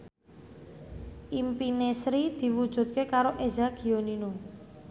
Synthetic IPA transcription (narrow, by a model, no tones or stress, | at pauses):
ʔimpinesɾid̪̥i̤wud̥ʒ̥ṳt̪̚kekaɾoʔezaɡ̥i̤onino